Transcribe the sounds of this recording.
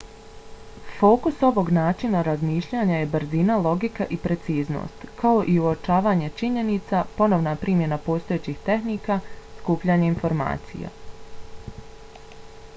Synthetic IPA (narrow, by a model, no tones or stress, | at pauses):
fo̞ːkuso̞ʋo̞ɡnaːt͡ʃinaɾazmiːʃʎaːɲaje̞bɾzinalˠo̞ɡikaʔipɾe̞t̪siːzno̞̰st̪kao̞ʔiuot͡ʃaːʋaːɲe̞t͡ʃiɲe̞nit̪sapo̞noʋnapɾʔiːmje̞napo̞ːst̪o̞jet͡ɕixt̪e̞hnikaskuːpʎaːɲeinfo̞ɾma̰ːt̪sḭja̰